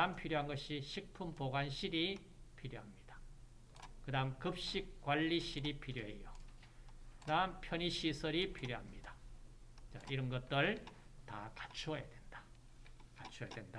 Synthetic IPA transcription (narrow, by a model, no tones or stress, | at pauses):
ampʰiɾjoɦanɡʌɕiɕʰik̚pʰumpoɡanɕʰiɾi | pʰiɾjoɦamɲid̥ḁ | kɯdamkɯp̚ɕ͈ik̚k͈waʎːiɕʰiɾipʰiɾjoɦḛjo | kɯdaɯmpʰjʌniɕʰisʰʌɾipʰiɾjoɦamɲida | t͡ɕa̰ʔiɾʌnɡʌt̚t͈ɯɭtakḁt͡ɕʰujedwend̥ḁ | kat͡ɕʰujadwenda